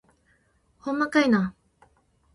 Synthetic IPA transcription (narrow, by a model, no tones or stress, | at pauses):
hõmːakaina